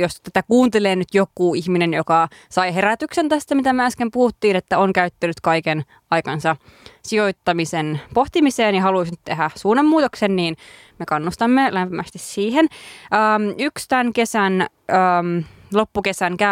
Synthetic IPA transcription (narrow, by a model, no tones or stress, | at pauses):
jost̪t̪æt̪ækuːnt̪eleːnyt̪jokːˑuːiçminenjokɑsɑiɦeɾæt̪yksent̪æst̪æmit̪æmeæskempuhut̪ːiːnet̪ːæoŋkæyt̪ːænyt̪kɑiken | ɑjkɑnsɑsioit̪ːɑmisenpoht̪imiseːnjɑhɑluisnyt̪t̪eɦæsuːnːemːuːt̪oksenniːn | mekɑnːust̪ɑmːelæmpimæst̪issiːhenəːmykst̪ænkesæn | əmlopːukesæŋkæ